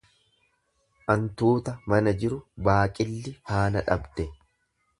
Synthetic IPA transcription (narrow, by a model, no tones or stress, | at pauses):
ʔɐnt̪uːt̪ɐmɐnɐd͡ʒɪɾʊbaːkʼɪlːɪhaːnɐᶑɐ̰bd̪̥ɛ